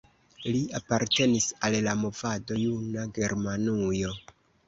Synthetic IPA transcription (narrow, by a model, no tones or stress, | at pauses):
liapaɾte̞nisallamo̞vado̞junaɡe̞ɾmanujo̞